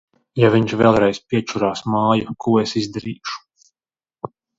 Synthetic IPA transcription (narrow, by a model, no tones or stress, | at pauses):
javiɲt͡ʃvɛ̰lˠɾɛjspʲiɛt͡ʃuɾaːsmaːjukuɔesizd̪aɾiːʃu̥